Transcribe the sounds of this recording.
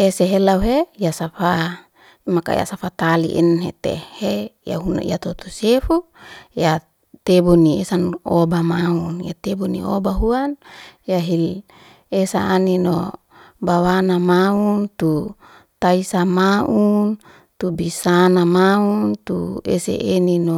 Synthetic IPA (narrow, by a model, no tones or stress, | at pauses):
eseɦelauɦejasafa | maka̰ja̰safat̪alḭʔḭnɦḛt̪ḛheja̰ɦuna̰ḭat̪ot̪osefu | ja | t̪eboniesanobamaunjat̪ebonḭo̰baɦuanjaɦil | esaːnino | bawanamaunt̪u | t̪aisamaʔun | t̪ubisanamaunt̪ṵḛsḛʔenino